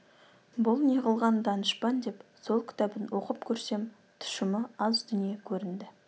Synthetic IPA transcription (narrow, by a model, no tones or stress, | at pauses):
bʊlˠneʁəlˠʁɑnd̪ɑnəʃpɑnd̪e̞pso̞lˠkʲʰɪ̥t̪ʰæbɪnwʔo̞qəpkʲʰɵɾse̞m | t̪ʰʊ̥ʃəməɑzd̪ʏnije̞kʲʰɵɾɪnd̪ɪ